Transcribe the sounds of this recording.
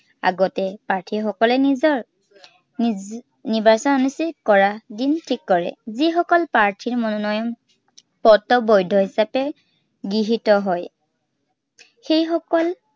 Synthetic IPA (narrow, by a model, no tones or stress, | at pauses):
a̰ɡɔtɛpaɹtʰiɹxɔkɔlɛniɔ | nibasɔnɔnisikɔɹadintʰikːɔɹɛ̰zixɔkɔlpaɹtʰiɹmɔnɔnɔjɔm | pɔtɔbojdʱɔɦisapɛ | ɡiɦitɔɦɔj | xejxɔkɔl